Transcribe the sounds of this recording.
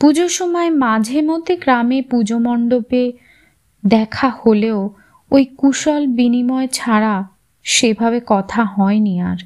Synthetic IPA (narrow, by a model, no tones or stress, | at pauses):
pud͡ʑoʃɔmɔemad͡ʑʱemod̪ʱeɡɾamepud͡ʑomɔɳɖope | d̪ɛkʰaholeo | ojkuʃɔlbinimɔet͡ɕʰaɾa | ʃebʱabekɔt̪ʰaɦɔeniaɾ